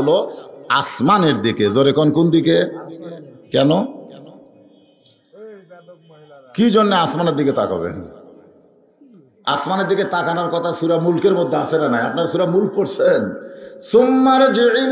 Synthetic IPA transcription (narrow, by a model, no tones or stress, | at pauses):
oloasmaneɾd̪ikezoɾekɔnkund̪ike | kɛno | kid͡ʑonːeasmaneɾd̪iket̪a̰ka̰bḛn | a̰smaneɾd̪iket̪akanaɾkɔt̪ʰasuɾamulkeɾmod̪ʱːeasenanajapnaɾʃuɾamulk̚poɾsʰensumːaɾd͡ʑeil